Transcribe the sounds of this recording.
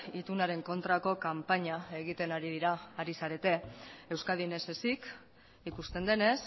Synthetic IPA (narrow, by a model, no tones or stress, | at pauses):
it̪unaɾe̞ŋko̞nt̪ɾako̞kampaɲae̞ɣ̞it̪e̞naɾið̞iɾaːɾisaɾe̞t̪e̞e̞wskaðine̞sesik | ikust̪e̞nd̪e̞ne̞s